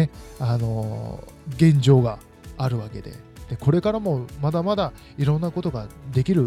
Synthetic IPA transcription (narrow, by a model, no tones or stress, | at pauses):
eano̞ | ɡẽ̞ɲ̟d͡ʑo̞ːɡaː | ɾɯ̟βake̞̰d̪e̞̰ | d̪̥e̞ko̞ɾe̞kaɾamo̞mad̪amad̪a | iɾõ̞nːako̞t̪o̞ɡad̪e̞kʲiɾɯ̟